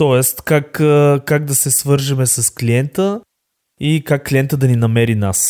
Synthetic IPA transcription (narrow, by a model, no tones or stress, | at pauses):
t̪ɔɛst̪kakəkaɡ̚d̪ɐsɛsvɤɾʒimɛsɐskliɛnt̪ə | ikakːliɛnt̪əd̪ɐninɐmɛɾina̰s